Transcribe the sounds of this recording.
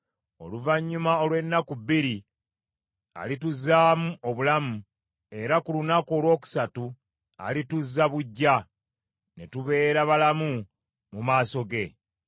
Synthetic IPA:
o̞̰luvaɲːumao̞lwe̞nːakubiɾi | a̰lituzːaːmuo̞βulamu | e̞ɾakulunako̞ːlwo̞ːku̥satu | a̰lituzːaβuɟːa | ne̞tuβe̞ːɾaβalamu | mumaːso̞ɡe̞

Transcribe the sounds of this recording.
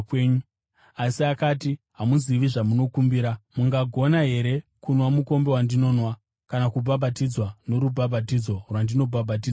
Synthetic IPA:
kweːɲu | asiakaːti | ɦamuziʋiʐamuno̞kumbiːɾamuŋɡaɡʱo̞naɦe̞ɾe̞kunwamuko̞mbe̞wandino̞ːnwa | kanakubʱabʱatid͡zwano̞ɾubʱabʱat̬id͡zo̞rwandino̞bʱabʱat̬iːd͡zwa

